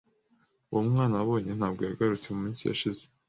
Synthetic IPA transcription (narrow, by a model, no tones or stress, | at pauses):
uβomŋaːnaβo̞ːɲe̞n̥haːbɡo̞jaɡaɾut͡se̞mumiːnsija̰ʃize